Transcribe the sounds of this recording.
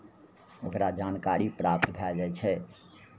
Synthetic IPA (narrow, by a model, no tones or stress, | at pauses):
okɾad͡ʒaːnkaɾipɾaːp̚t̪bʱɛd͡ʒaɛt͡ʃʰɛ